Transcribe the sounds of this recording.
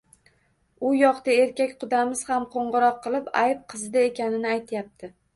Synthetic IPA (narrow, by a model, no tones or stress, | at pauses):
ʊjɒqt̪ae̞ɾkʲakʲqʊd̪amɪz̥hamqʰoɴʁɨɾɒqʰːɨlˠɪpa̰jɪp̚qʰɨzɪd̪ae̞kʲanɪnɪajt̪ʰjap̚t̪ʰɪ